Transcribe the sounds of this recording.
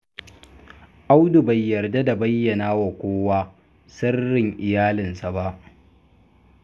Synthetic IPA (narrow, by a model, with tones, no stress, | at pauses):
ʔa˦wdu˨ba˨jːɐ˨rda˦da˨bɐ˦jːɐ˨naː˦wa˨kʷoː˦waː˦ | sɐ˦rːɪ˨ŋʔɪ˨jaː˦lɪ˨nsa˨ba˦ʔ